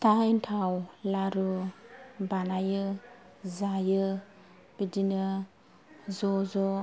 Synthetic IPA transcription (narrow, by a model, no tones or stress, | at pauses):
taintʰawlaɾu | banajɯ | zajɯ | b̥idinɯ | zɔzɔ